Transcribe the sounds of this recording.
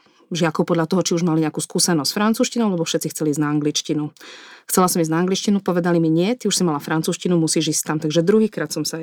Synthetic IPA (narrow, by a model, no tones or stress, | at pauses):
ʒɪakɔʊpɔd̪ʎat̪ɔɦɔt͡ʃiuʒmaliɲɛakuːskuːsɛnɔsʲfɾant͡suːʃcinɔʊlɛbɔfʃɛt̪t͡sixtt͡sɛliːznaːŋɡlit͡ʃcinuxt͡sɛlasɔmiznaːŋɡlit͡ʃcinupɔʋɛd̪alimiɲɪɛt̪iuʃsimalafɾant͡suːscinumusiːʒiːst̪amt̪aɡʒɛd̪ɾuɦiːkɾaːt̪sɔmsa